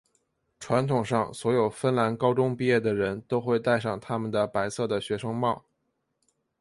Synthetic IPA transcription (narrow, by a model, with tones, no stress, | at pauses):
ʈ͡ʂʰwa˧˥nt̪ʰʊ˨˩ŋʂɑ˥˩ŋswɔ˧˥jo˨˩ʊfə˥nla˧˥nkɑ˥ʊʈ͡ʂʊ˥ŋpi˥˧jɛ˥˩d̪ə˩ɻə˧˥nt̪o˥ʊxwe˥˧ɪt̪a˥˧ɪʂɑ˥˩ŋt̪ʰa˥mə˨nd̪ə˩pa˧˥ɪsɤ˥˩d̪ə˩ɕɥɛ˧˥ʂɤ˥ŋmɑ˥˩ʊ